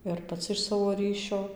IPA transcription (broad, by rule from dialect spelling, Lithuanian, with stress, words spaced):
ɪr pɐˈt͡sʲɪ ɪʃ ˈsɑːʋoː ˈrʲiːʃʲoː